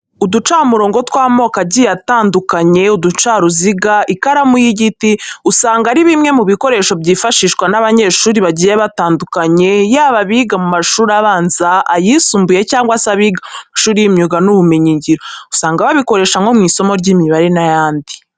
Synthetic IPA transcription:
udut͡ʃamuɾo̞ːŋɡo̞twaːmo̞kaɟijataːndukaɲe̞udut͡ʃaɾuziɡaʔikaɾamujiɟitiusaːŋɡaɾiβimŋe̞muβiko̞ɾe̞ːʃo̞bɟiːfaʃiːʃkwanaβaɲe̞ːʃuːɾiβaɟijeβataːndukaɲe̞jaːβaβiɡamumaʃuːɾaβaːnzaːjisuːmbuje̞caːŋɡwasaβiɡamaʃuːɾijimɲuɡanuβumeɲiɲɟiɾo̞usaːŋɡaβaβiko̞ɾe̞ːʃaŋɡo̞mŋiːso̞mo̞ɾɟiːmiβaɾenajaːndi

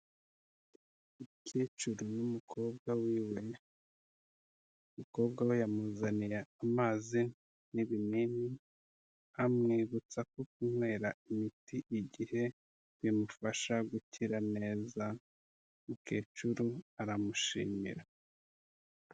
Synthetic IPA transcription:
ucet͡ʃuɾunumukʰo̞ːb̚ɡawiːwe̞ | umuko̞ːb̚ɡawejamuzanijeamaːzi | niβinini | amŋiːβut͡sakok̚umwe̞ːɾaimitiʔiɟihe̞ | βimufaʃaɡuciɾane̞ːza | muke̞ːt͡ʃuɾuaɾamuʃḭːmḭɾa

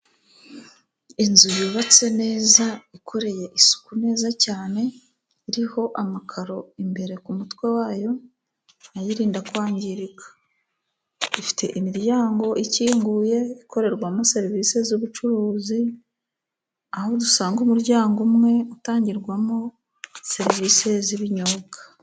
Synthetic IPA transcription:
inzujiβat͡se̞ne̞ːzaikʰo̞ɾe̞je̞ʔisu̥kune̞ːzacaːne̞ | iɾiho̞ʔamakʰaɾo̞imbe̞ɾe̞kumutwe̞waːjo̞ | ajiɾiːndakwaːɲɟiɾikʰḁ | ifi̥tʰe̞ʔimiɾjaːŋɡo̞ʔiciːŋɡuːje̞ikʰo̞ɾe̞ɾɡwamose̞ɾvise̞zuβut͡ʃuɾuːzi | ahodusaːŋɡumuɾɟaːŋɡumŋe̞utaːɲɟiɾɡwamo | se̞ɾiviːse̞ziβiɲoɡḁ

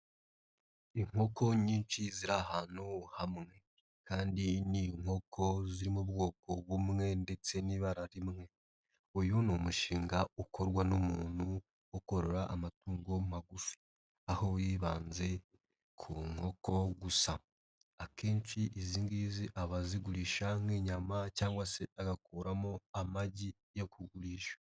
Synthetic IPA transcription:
iŋ̥o̞ko̞ɲiːnt͡ʃiziɾahaːn̥uhamŋe̞ | kaːndiniŋ̥o̞kʰo̞ziɾimuβɡo̞ːko̞βumŋe̞nde̞t͡se̞niβaɾaɾimŋe̞ | ujonomuʃiːŋɡaukʰo̞ɾɡwanomuːnu | oko̞ɾo̞ɾaʔamatuːŋɡo̞maɡufi̥ | aho̞jiːβaːnze̞ | kʰuŋ̥ho̞ko̞ɡusa | akeːnt͡ʃiʔiziːŋɡiːziʔaβaziɡuɾiːʃamwiːɲamacaːŋɡwase̞aɡakuːɾamoamaɟi | jokʰuɡuɾiːʃḁ

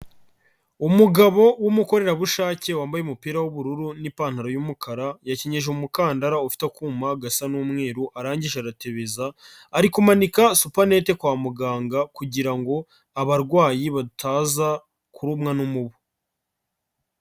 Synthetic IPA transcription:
umuɡaβo̞wumuko̞ɾe̞ɾaβuʃaːce̞waːmbajeumupiːɾawuβuɾuɾunipaːnhaɾojumukʰaɾajaceɲe̞ʒeumukaːndaɾaufi̥tekumaɡasanuːmŋe̞ːɾuʔaɾaːɲɟiʒeaɾate̞βe̞zaː | ɾikumanikasupane̞te̞kwaːmuɡaːŋɡakuɟiɾaŋɡo̞ | aβaɾɡwaːjiβadutʰaːza | kuɾumŋanumuβu

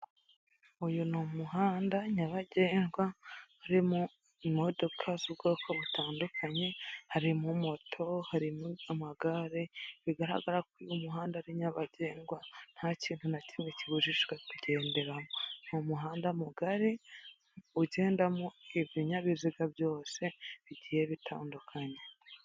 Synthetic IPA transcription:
ujunomuɦaːndaɲaβaɟe̞ːŋɡwahaɾimu | imo̞do̞kʰazubɡokʰaβutaːndukʰaɲe̞haɾimumo̞tʰo̞haɾimamaɡaɾeβiɡaɾa̰ɡaɾak̚ujumuɦaːndaaɾiɲaβaɟe̞ːŋɡwan̥haciːnhunacimiciβuʒiʃɡwekuɟe̞ːnde̞ɾamom̥umuɦaːndamuɡaɾi | uɟe̞ːndamueβjiɲaβiziɡabjo̞ːse̞βiɟijeβitʰa̰ːndukʰaɲe̞

